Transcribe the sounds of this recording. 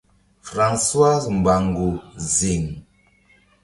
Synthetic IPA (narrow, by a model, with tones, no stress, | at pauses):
fɾã˨nswa˦zm̩˨ba˨ŋɡu˨zi˨ŋ